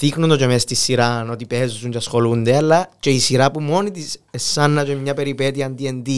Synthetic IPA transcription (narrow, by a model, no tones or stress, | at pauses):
ðixnund̪ot͡ʃemest̪isːiɾano̞t̪ipezusuɲt͡ʃeɐsxo̞lund̪eɐlːɐt͡ʃe̞isiɾɐpumo̞nit̪isesːɐnːɐt͡ʃemɲɐpe̞ɾipet̪iɐːnd̪iend̪i